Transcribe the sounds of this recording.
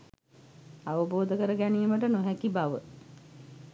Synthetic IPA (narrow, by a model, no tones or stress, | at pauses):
aʋəboːd̪əkəɾəɡænijəməʈənoɦækibaʋə